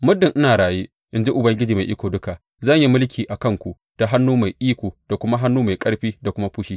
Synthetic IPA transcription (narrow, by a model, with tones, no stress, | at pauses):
mʊ˦dːɪ˨ŋʔɪ˦naː˨ɽaː˨jeː˦ | ʔɪ˨nd͡ʒi˦ʔʊ˨bɐ˦ŋɡʲɪ˦d͡ʒiː˨ma˨jʔɪ˦kʷoː˨dʊ˦ka˨ | zɐ˦˨ɲji˦mʊ˦lkʲiː˨ʔa˨kɐ˦˨ŋkʷu˨ | d̥a˨ɦa˦nːuː˦ma˨jʔiː˦kʷoː˨d̥a˨kʷʊ˦ma˦ɦa˦nːuː˦ma˨jkʼɐ˦ɽɸiː˦da˨kʷʊ˦ma˦ɸʊ˦ʃiː˦